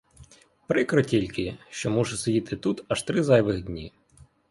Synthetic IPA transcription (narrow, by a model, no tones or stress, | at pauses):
pɾɪkɾɔtʲilʲkɪʃt͡ʃɔmuʒɛsɔjʲit̪ɪt̪ut̪ɐʃt̪ɾɪzɑjʋɪɣdʲnʲḭ